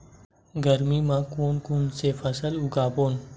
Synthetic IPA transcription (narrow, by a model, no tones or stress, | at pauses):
ɡəɾmiːmãːkoːnkuːnseːfʰəsəlʊɡaːpoːn